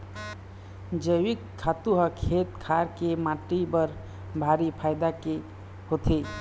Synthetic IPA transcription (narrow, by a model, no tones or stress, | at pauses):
d͡ʒəjʋikʰːat̪uɦəkʰet̪kʰaɾkemaʈibəɾ | bʱaɾipʰajd̪ake | hot̪ʰi